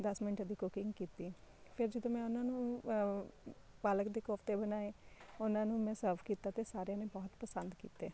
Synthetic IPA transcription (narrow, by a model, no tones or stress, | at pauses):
d̪əsmɪnʈd̪iːkʊkɪ̃ŋɡkiːt̪iːpʰɪɾd͡ʒɪd̪õːmɛ̃ːʊnãːnũː | paːləkd̪eːkɔːpʰt̪eːbənaːeːʊnãːnũːmɛ̃ːsəɾpkiːt̪aːt̪eːsaːɾejãːneːbɔːt̪pəsə̃nd̪kḭːt̪ḛː